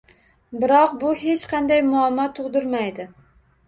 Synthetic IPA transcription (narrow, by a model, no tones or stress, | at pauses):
bɪɾɒqbʊhet͡ʃqʰɑnd̪ajmʊɑmːɒt̪ʰoʁd̪ʊɾmajd̪ɪ